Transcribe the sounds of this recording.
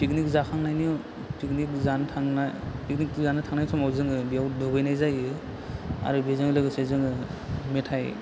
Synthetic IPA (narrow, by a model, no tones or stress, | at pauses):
pik̚nik̚zakʰaŋnajnijɔ | pik̚nik̚zanɯtʰaŋnapik̚nikzanɯtʰaŋnajsʰɔmawzɯŋɯbijawdɔbɯjnajzajɯ | a̰ɾubezɯŋɯlɯɡɯsezɯŋɯmetʰaj